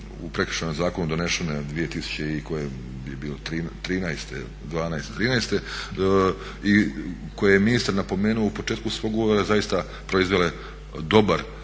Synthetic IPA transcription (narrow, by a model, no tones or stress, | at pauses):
ṵpɾe̞kɾ̥ʃanomzaːko̞nud̪o̞neʃened̪ʋije̞t̪isu̥t͡ɕeiko̞je | jebiːlot̪ɾiːnt̪ɾiːnajst̪e | d̪ʋaːnajest̪et̪ɾiːnajst̪e̞ | i | kojejeminist̪aɾnapo̞me̞ːnuoupo̞t͡ʃe̞ːt̪kusʋo̞ːɡuoɾazajist̪a | pɾo̞izʋele | d̪o̞baɾ